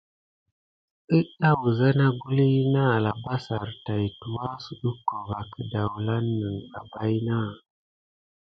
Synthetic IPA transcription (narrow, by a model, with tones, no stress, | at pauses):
ə˦ɗa˦wu˨za˦na˦ɡu˦li˦na˦˨la˨ba˦sa˨ɾta˨jtu˨wa˦su˨ɗə˦ko˨va˨kə˨da˨wla˦nːə˨ŋɗa̰˨ba˦jna˦